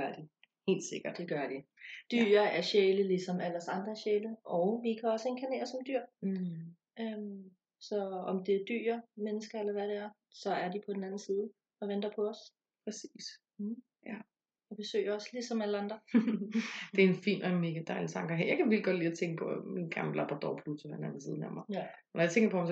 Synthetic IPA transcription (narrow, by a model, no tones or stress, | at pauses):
ɐd̥i | he̝̰ːld̥se̝ɡ̥ɐd̥d̥e̝ɡ̥ɶɐd̥id̥y̰ːɐæɐɕeːləlisɒ̽mæl̰ɐsɑ̈nd̥ʁɐɕeːləʔɒʊʋikʰæɒ̽səe̝nkʰæne̝̰ːɐsɒ̽md̥yɐ̰ | øm | sɒ̽ɒmd̥e̝d̥y̰ːɐmenəsɡ̥ɐelɐʋædeæɐ | sɒ̽æɐdipʰɒ̽d̥enænn̩siːð̞ˠ | ɒ̽ʋend̥ɐpʰɒ̽ːs | pʰʁɛsḭːs | jæ | ɒb̥e̝sø̰ːɪɐɒ̽sə̥lisɒ̽mæləɑ̈nd̥ʁɐ | d̥e̝æɐenfḭːnʔɒenme̝ːɡ̥æd̥ɑ̈ɪlit͡sʰɑ̈ŋɡ̥ɐɦejɑ̈ɪkʰæʋelɡɒ̽d̥liːɒt͡sʰeŋɡ̥əpʰɒ̽minɡ̥ʁɑmblɑb̥ʁɐd̥ɒ̰pʰlut͡sʰoʋænæɐnsiːðˠnæɐmɐ | nɒjɑ̈t͡sʰeŋɡɐpʰɒ̽hɑms